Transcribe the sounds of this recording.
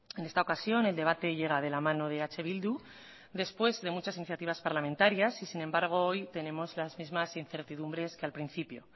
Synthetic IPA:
e̞ne̞st̪aokasjo̞ne̞ld̪e̞β̞at̪e̞ʝe̞ɣ̞að̞e̞lamãno̞ðeat͡ʃe̞βild̪u | d̪e̞spwe̞zðe̞mut͡ʃasiniθjat̪iβaspaɾlament̪aɾjasisinẽ̞mbaɾɣ̞o̞o̞jt̪e̞nẽ̞mo̞zlazmizmasinθe̞ɾt̪iðumbɾe̞skealpɾin̟θipjo̞̰

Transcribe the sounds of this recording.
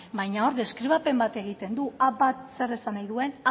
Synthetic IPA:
bajɲao̞ɾðe̞skɾiβ̞ape̞mbat̪e̞ɣ̞it̪e̞nd̪uʔabat̪se̞re̞sanajðue̞n

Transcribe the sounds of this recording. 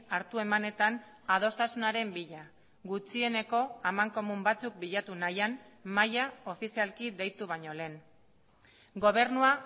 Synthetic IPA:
aɾt̪ue̞mane̞t̪an | að̞o̞st̪asunaɾe̞mbiʎa | ɡut͡sie̞ne̞ko̞amaŋko̞mumbat͡suk̚biʎat̪unajanmajao̞fisialkiðe̞jt̪uβ̞aɲo̞le̞ːn | ɡo̞β̞e̞ɾnua

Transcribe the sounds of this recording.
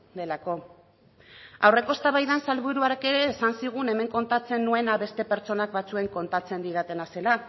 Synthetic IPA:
d̪e̞lako̞ | awre̞ko̞st̪aβajðansalβuɾuaɾeke̞ɾe̞ːsansiɣ̞une̞me̞ŋko̞nt̪at͡se̞nːue̞naβe̞st̪e̞pe̞ɾt͡so̞nakbat͡sue̞ŋko̞nt̪at͡se̞nd̪iɾat̪e̞nase̞la

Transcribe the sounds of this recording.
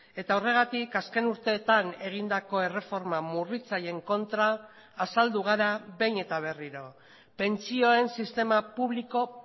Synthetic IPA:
e̞t̪aore̞ɣ̞at̪ikaske̞nuɾt̪e̞ːt̪ane̞ɣ̞ind̪ako̞e̞re̞fo̞ɾmamurit͡saje̞ŋko̞nt̪ɾaː | sald̪uɣ̞aɾaβe̞jne̞t̪aβ̞e̞riɾo̞ | pe̞nt͡sio̞e̞nsist̪e̞mapuβliko̞

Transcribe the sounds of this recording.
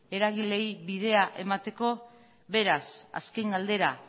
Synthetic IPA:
e̞ɾaɣ̞ile̞jβið̞e̞aʔe̞mat̪e̞ko̞ | βe̞ɾasa̰ske̞ŋɡald̪e̞ɾa

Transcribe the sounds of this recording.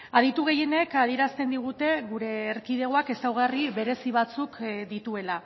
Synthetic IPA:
að̞it̪uɣ̞e̞je̞ne̞kaðie̞ɾast̪e̞nd̪iɣ̞ut̪e̞ɣuɾe̞ːɾkið̞e̞ɣoake̞sawɣ̞ariβe̞ɾe̞siβ̞at͡sukd̪it̪ue̞la

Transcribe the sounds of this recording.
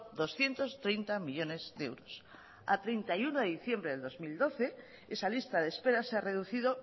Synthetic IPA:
d̪osθjent̪ost̪ɾejnt̪amiʎonezðewɾos | a̰t̪ɾent̪ajunoðeðiθjembɾeðeðozmild̪oθe | esalist̪aðespeɾaseareð̞uθið̞o

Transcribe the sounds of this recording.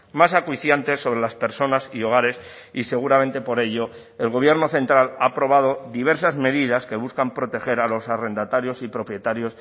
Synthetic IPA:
masakwiθjant̪e̞sːo̞β̞ɾe̞laspe̞ɾso̞nasio̞ɣ̞aɾe̞s | ise̞ɣ̞uɾame̞nt̪e̞po̞ɾe̞ʎo̞ | elɣ̞o̞β̞je̞ɾno̞θe̞nt̪ɾalaːpɾo̞β̞að̞o̞ðiβe̞ɾsazme̞ðiðaske̞βuskampɾo̞t̪e̞xe̞ɾalo̞sare̞nd̪at̪aɾjo̞sipɾo̞pje̞t̪aɾjo̞s

